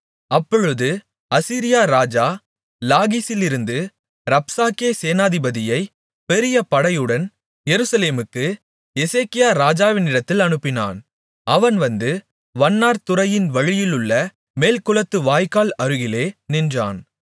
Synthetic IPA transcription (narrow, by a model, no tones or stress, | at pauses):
ɐpːɔɻɯðɯ | ɐsiːɾɪjaːɾaːd͡ʒaː | laːɣisɪlɪɾɯnd̪ɯ | ɾɐpsaːkeːseːnaːðɪbɐðɪjɐɪ | pɛɾɪjɐpɐɽɐjɯɽɐn | jɛɾɯsɐleːmɯkːɯ | jɛseːkɪjaːɾaːd͡ʒaːʋɪnɪɽɐt̪ːɪlɐnɯpːɪna̰ːn | ʔɐʋɐnʋɐnd̪ɯ | ʋɐnːaːɾt̪ʊrɐjɪnʋɐɻɪjɪlɯɭːɐ | meːlkʊlɐt̪ːɯʋaːjkaːlɐɾɯɣɪleːnɪndra̰ːn